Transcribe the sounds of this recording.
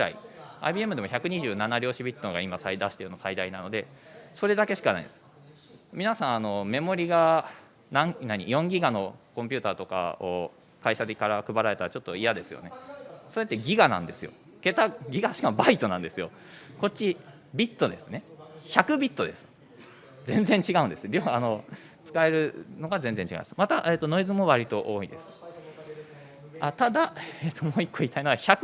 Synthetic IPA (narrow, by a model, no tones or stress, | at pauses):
ɯɾa̰ḭa̰ibʲie̞mɯ̟d̪e̞moçakɯ̟ɲ̟iʑɨːnanaɾʲo̞ːɕibʲit̪ːoɡaimasaid̪aɕi̥t̪eɯ̟nosaid̪ainano̞d̪e̞so̞ɾe̞d̪ake̞ɕi̥kana̰ḭd̪esɨ̥ | mʲinasãɰ̃ano̞me̞mo̞ɾʲiɡa | nãŋnaɲ̟ḭjõ̞ŋɡʲiɡano̞kõ̞mpʲɯt̪aːt̪o̞ka̰o | kaiɕad̪ekaɾakɯ̟baɾae̞t̪aɾat͡ɕo̞t̪ːo̞ijad̪e̞sɨjo̞̰ne̞so̞ɾe̞t̪ːe̞ɡʲiɡanã̰nd̪e̞sɨjo̞̰ | ke̞t̪aɡʲiɡaɕi̥kamobait̪o̞nãnd̪e̞sɨjo̞ | ko̞t̚ʲt͡ɕːi | bʲit̪ːo̞d̪esɨne̞çakɯ̟bʲit̪ːo̞d̪e̞sɨ̥ | zẽ̞nd͡zẽ̞ɲ̟t͡ɕiɡaɯ̟̃nd̪esɨd̪eβaːno̞ | t͡sɨ̥kae̞ɾɯ̟no̞ɡazẽ̞nzeɲ̟t͡ɕiɡa̰nesmat̪aʔe̞ːt̪ːo̞no̞izɨmo̞βaɾʲit̪o̞ʔoːid̪e̞sɨ̥ | at̪ad̪aeːt̪ːo̞moːikːoit̪ʰaino̞açak